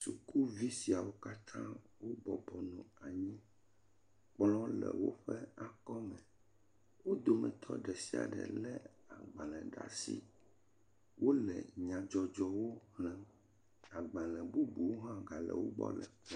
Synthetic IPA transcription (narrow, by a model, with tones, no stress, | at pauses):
su˨ku˦vi˦si˨a˨wo˦ka˦t̪ʰã˦ | wo˦bɔ˨bɔ˨nɔ̃˨a˨ɲĩ˦ | k͡plɔ̃˦lɛ̰˨wo̰˦ɸɛ˦a˨kɔ˦mɛ̃˨ | wo˦d̪o˨mɛ̰̃˨t̪ʰɔ̰˦ɖɛ˨si˨a̰˨ɖɛ̰˨lɛ˦a˨ɡ͡bã˨lɛ̃˨ɖa̰˨sḭ˦ | wʔo˦lɛ̰˨ɲã˨d͡ʒɔ˨d͡ʒɔ˨wo˦hlɛ̃˨ | a˨ɡ͡bã˨lɛ̃˨bu˦bu˨wo˦ɦã˦ɡa˨lɛ̰˨wo˦bɔ̰˦lɛ̰˨